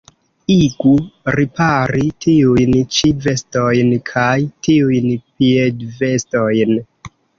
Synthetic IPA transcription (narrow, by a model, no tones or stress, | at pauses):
iɡuɾipaɾitʰiujnt͡ʃive̞sto̞jnkʰajtiujnpiedve̞sto̞jn